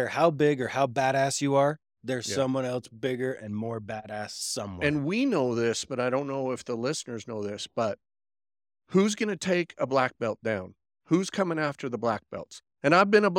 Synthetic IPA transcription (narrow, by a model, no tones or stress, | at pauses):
ə˞haʊbɪɡə˞haʊbæɾæsjɨə˞ | ðə˞z̥ʌ̃mwʌ̃nɛlˠsb̥ɪɡə˞ʔɨ̰̃nmɔɹbæɾæssʌ̃mwɨ̃nwinoʊðɪsb̥ʌɾaɪɾõʊ̃nːoʊɨfðəlɪsnə˞znoʊðɪsb̥ʌt̚ | huzɡʌnɨtʰeɪkʰəblæk̚b̥ɛlˠt̚d̥ãʊ̃n | huz̥kʰʌmɪ̃ŋæftʰə˞ðəblæk̚b̥ɛ̰lˠt | ɨ̃ɾ̃aɪvbɨ̃nəb